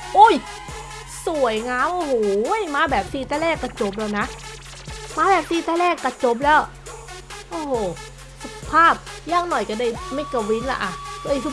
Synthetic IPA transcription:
ʔo˧˥˩j | su˨˩əjŋaː˦˥mʔo˧˩hoː˨˩˦jmaː˧˥bɛː˨˩p̚siː˧˩t̪ɛː˧˩lɛː˥˩kːa˧˩t͡ɕo˧˩p̬̚lɛː˧˩wna˦˥ʔ | maː˧˥bɛː˨˩p̚siː˧˩t̪ɛː˧˩lɛː˧˥˩kːa˧˩t͡ɕo˧˥p̬̚lɛː˦˧˥w | ʔoː˧˩hoː˨˩ | sa˧˩pʰaː˥˩p̚jaː˧˥˩ŋnɔ˨˩jka˧˩da˧˩jma˧˩jka˧˩wi˧˦˥nla̰˧ʔa˨˩kɤ˧˨jkʰɯː˧˥

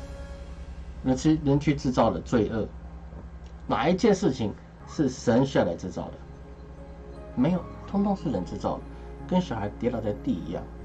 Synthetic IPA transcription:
ɻə˧˥nt͡ɕy˥ɻə˧˥nt͡ɕʰy˥˧ʈ͡ʂɻ̩˥˧t͡sɑ˥˩ʊd̪ə˩t͡swe˥˧ɪʔɤ˥˩ | na̰˨˩i˥t͡ɕjɛ˥˧ʂɻ̩˥˩t͡ɕʰi˨˩ŋ | ʂɻ̩˥˩ʂə˧˥nɕy˥jɑ˥˩ʊla˧˥ɪʈ͡ʂɻ̩˥˧˩t͡sɑ˥˩ʊd̪ə˩ | me˧˥ɪjo˨˩ʊt̪ʰʊ˥ŋt̪ʰʊ˧˥ŋʂɻ̩˥˩ɻə˧˥nʈ͡ʂɻ̩˥˧t͡sɑ˥˩ʊd̪ə˩ | kə˥nɕjɑ˨˩xa˧˥ɪt̪jɛ˧˥lɑ˨˥ʊt͡sa˥˧ɪt̪i˥˩ḭ˧˥jɑ̰˥˩ŋ

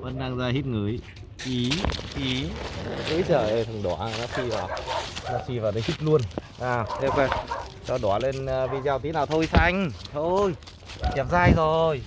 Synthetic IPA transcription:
və˧˦nɗaː˧ŋzaː˧ɦi˦˥t̚ŋɨ˨˩əj | ʔi˨˦ʔi˨˦zə̰˧˦jt͡ɕəː˧˩ə˨˩fʰə˨˩ŋɗo̰˧˩˨nɔ˨˦si˧vaː˨˩nɔ˨˦si˧vaː˨˩nə˨˦hi˦˥t̚lu˧ənʔaː˧˩e˧ke˧˩t͡ɕɔ˧˩ɗwle˧nː˧vi˧zaː˧wt̪i˨˦naː˨˩wt̪ʰo˧jsa˧jŋ̟t̪ʰo˧j | kɛ˨˩p̚zaː˧˩jzo˨˩j

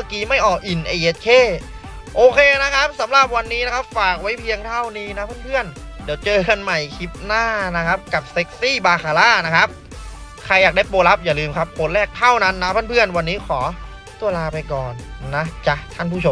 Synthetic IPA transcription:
maː˧˥˩kiː˧ma˥˩jʔɔː˨˩k̚ʔi˨˩nʔe˧ʔe˦˥t̪̚kʰeː˥˩ | ʔoː˧kʰeː˧na˦˥kʰa˦˥p̚sa˩˦mɾa˨˩p̚wa˧nːiː˦˥na˦˥kʰa˦˥p̚faː˨˩k̚wa˦˥jpʰi˧əŋt̪ʰa˥˩wniː˧˩na˦˥pʰaː˥˩npʰɯ˥˩ən | di˩˦wt͡ɕɤː˧ka˧nma˨˩jkʰi˦˥p̚naː˥˩na˦˥kʰa˦˥p̚ka˨˩p̚se˦˥k̚siː˥˩baː˧kʰaː˧laː˥˩na˦˥kʰa˦˥p̚ | kʰa˧jːaː˨k̚da˥˩jpoː˧la˦˥p̚jaː˨˩lɯː˧mkʰa˦˥p̚kʰo˧nlɛː˥˩k̚t̪ʰa˥˩wna˦˥nːa˦˥pʰaː˥˨npʰɯ˥˩ənwa˧nːiː˦˥kʰɔː˩˦ | t̪u˧ɐlaː˧pa˧jkɔː˨˩nːa˦˥t͡ɕa˧˩t̪ʰa˥˩npʰuː˥˩t͡ɕʰo˧˦m

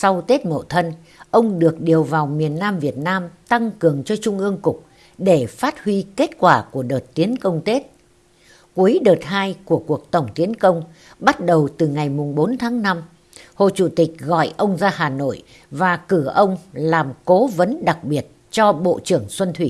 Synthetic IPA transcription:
sa˧wt̪e˦˥t̚mo̰˧˨t̪ʰə˧n | ʔə˧wŋ͡mɗɨ˨˩ək̚ɗi˨˩əwvaː˨˩wmi˨˩ənːaː˧mvi˨˩ət̚naː˧mt̪a˧ŋkɨ˨˩əŋt͡ɕɔ˧t͡ɕʊ˧ŋ͡mʔɨ˧əŋkʊ˨˩k͡p̚ | ɗe˧˩faː˦˥t̚hwi˧ke˦˥t̚kwaː˧˩ku˧˩əɗəː˨˩t̚t̪i˨˦ənkə˧wŋ͡mt̪e˦˥t̚ | ku˨˦əjɗəː˨˩t̚ɦaː˧jku˧˩əku˨˩ək̚t̪ə˧˩wŋ͡mt̪i˨˦ənkə˧wŋ͡m | ɓa˦˥t̚ɗə˨˩wt̪ɨ˨˩ŋa˨˩jmʊ˨˩ŋ͡mɓo˨˦nt̪ʰaː˨˦ŋna˧m | ho̰˧˨t͡ɕu˧˩t̪ï˨˩k̟̚ɣɔ̰˧˨jʔə˧wŋ͡mzaː˧ɦaː˨˩no̰˧˨j | vaː˨˩kɨ˧˩ʔə˧wŋ͡mlaː˨˩mko˨˦və˨˦nɗa˨˩k̚ɓi˨˩ət̚t͡ɕɔ˧ɓo̰˧˨t͡ɕɨ˧˩əŋsə˧nt̪ʰwi˧˩

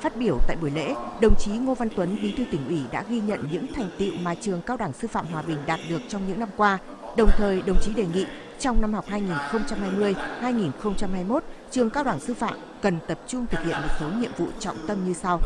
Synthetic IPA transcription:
faː˦˥t̚ɓi˧˩əwt̪a̰ː˧˨jɓu˧˩jlḛ˧˥ɗə˨˩wŋ͡mt͡ɕi˨˦ŋo˧va˧nt̪wə˨˦nɓi˨˦t̪ʰɨ˧t̪ï˧˩ŋ̟ʔwi˧˩ɗa̰ː˧˥ɣi˧ɲə̰˧˨nɲɨ̰˧˥ŋt̪ʰa˨˩jŋ̟t̪ḭ˧˨wmaː˨˩t͡ɕɨ˨˩əŋkaː˧wɗwaː˧˩ŋsɨ˧fa̰ː˧˨mɦwaː˨˩ɓï˨˩ŋ̟ɗaː˨˩t̚ɗɨ˨˩ək̚t͡ɕɔ˧wŋ͡mɲɨ̰˧˥ŋna˧mkwaː˧ | ɗə˨˩wŋ͡mt̪ʰəː˨˩jɗə˨˩wŋ͡mt͡ɕi˨˦ɗe˨˩ŋḭ˧˨ | t͡ɕɔ˧wŋ͡mna˧mhɦa˨˩k͡p̚haː˧jŋi˨˩nxə˧wŋ͡mt͡ɕa˧mhaː˧jmɨ˧əjhaː˧jŋi˨˩nxə˧wŋ͡mt͡ɕa˧mhaː˧jmo˦˥t̚t͡ɕɨ˨˩əŋkaː˧wɗwaː˧˩ŋsɨ˧fa̰ː˧˨m | kə˨˩nt̪ə˨˩p̚t͡ɕʊ˧ŋ͡mt̪ʰɨ˨˩k̚hḭ˧˨ənmo˨˩t̚so˨˦ɲḭ˧˨əmvṵ˧˨t͡ɕɔ̰˧˨wŋ͡mt̪ə˧mɲɨ˧sa˧w

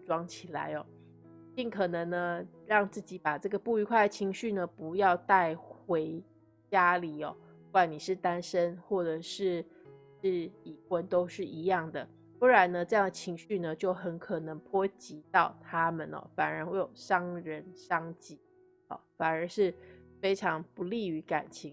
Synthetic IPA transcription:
ʈ͡ʂwɑ˥ŋt͡ɕʰi˨˩la̰˧˦ɪɔ˨˦ | t͡ɕi˥˩ŋkʰɤ˨˩nə˧˦ŋnə˧ɻɑ˥˧ŋt͡sɹ̩˥˩t͡ɕi˨˥pa˨˩ʈ͡ʂɤ˥˩ɡə˩pu˥˩y˧˥kʰwa˥˩ɪd̪ə˩t͡ɕʰi˧˥ŋɕy˥˩nə˩pu˧˥jɑ˥˧ʊt̪a˥˩ɪxwe˧˥ɪ | t͡ɕja˥li˨˩ɔ̰˨˦ | kwa˨˩ni˨˩ʂɻ̩˥˩t̪a˥nʂə˦˥nxwɔ˥˩ʈ͡ʂɤ˨˩ʂɻ̩˥˩ | ʂɻ̩˥˩i˨˩xwə˧˦nt̪o˥ʊʂɻ̩˥˩ʔi˧˥jɑ˥˩ŋd̪ə˩ | wə˥ɻa˧˦nə˧ʈ͡ʂɤ˥˧jɑ˥˩ŋd̪ə˩t͡ɕʰi˧˥ŋɕy˥˨˩nə˨t͡ɕjo˥˩ʊxə˧˥nkʰɤ˨˩nɤ˧˦ŋpʰwɔ˥t͡ɕi˧˥t̪ɑ˥˨˩ʊt̪ʰa˦mə˨nɔ̰˨˩fa˨˩nə˧˦˥xwe˥˩ɪjo˨˩ʊʂɑ˥ŋɻə˧˦nʂɑ˥ŋt͡ɕi˧˥ | ɔ̰˨˩fa˨˩nə˞˧˥ʂɻ̩˥˩fe˥ɪʈ͡ʂʰɑ˧˥ŋpu˧˦li˥˩y˧˥ka̰˨˩nt͡ɕʰi˧˦ŋ

